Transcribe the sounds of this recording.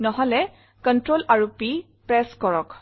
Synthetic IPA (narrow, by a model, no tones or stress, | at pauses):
nɔɦɔlɛ | kɔntɹolaɹupi | pɹɛskɔɹɔk